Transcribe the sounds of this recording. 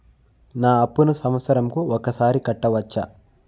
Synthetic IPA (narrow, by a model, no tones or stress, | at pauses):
naːɐpːunusɐmʋɐt̪sɐɾɐmkuɔkɐsaːɾikɐʈːɐʋɐt͡ʃːa